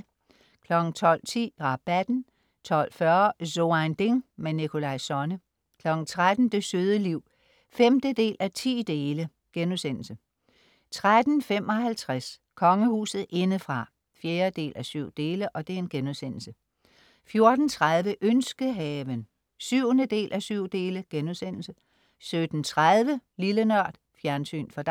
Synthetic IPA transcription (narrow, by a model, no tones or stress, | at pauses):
kʰlɒ̽ɡ̥n̩t͡sʰɒ̽l̰t͡sʰḭːʁɑ̈b̥æd̥n̩ | t͡sʰɒ̽l̰fɶɐso̝and̥e̝ŋmenikʰo̝lɑ̈ɪsɒ̽nə | kʰlɒ̽ɡ̥n̩t͡sʰʁad̥n̩d̥e̝søːð̞ˠəliʊ̰ | femd̥əd̥e̝̰ːlʔæt͡sʰḭːd̥e̝ːlə | ɡ̥enusen̰l̩sə | t͡sʰʁad̥n̩fem̰ɒ̽hælt͡sʰʁaskʰɒ̽ŋəhṵːsð̩ˠe̝nəfʁɑ̈ | fjeːɐd̥e̝̰ːlʔæsyʊ̰d̥e̝ːləʔɒ̽d̥e̝æɐe̝nɡ̥enuðˠsen̰l̩sə | fjo̝ɐd̥n̩t͡sʰʁað̞ˠʋəʔønsɡ̥əɦɛːʋən | syʊ̰ənəd̥e̝̰ːlʔæsyʊ̰d̥e̝ːləɡ̥enuðˠsen̰l̩sə | sød̥n̩t͡sʰʁaðˠʋəlilənɶɐ̰d̥ | fjæɐnsy̰ːnfɒ̽d̥